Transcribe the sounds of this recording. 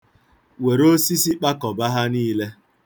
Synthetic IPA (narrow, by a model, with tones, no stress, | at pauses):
we˨ɾo˦si˦si˦k͡pa˦kɔ˨ba˦ɦa˦niː˦le˦